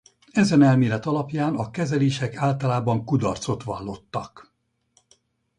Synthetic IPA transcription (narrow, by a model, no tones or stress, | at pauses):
ɛzɛnɛlmeːlɛt̪ɒlɒpjaːnɒkɛzɛleːʃɛkaːlt̪ɒlaːbɒŋkud̪ɒrt̪so̞t̪ʋɒ̰lːo̞t̪ːɒk